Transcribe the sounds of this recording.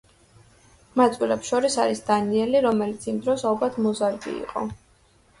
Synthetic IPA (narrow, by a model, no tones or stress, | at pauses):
mat̪sʼwilɛpʃɔɾisaɾisd̪aniɛliɾɔmɛlit̪sʰimd̪ɾɔsalˠbat̪ʰmɔzaɾɡḭḭqʼɔ̰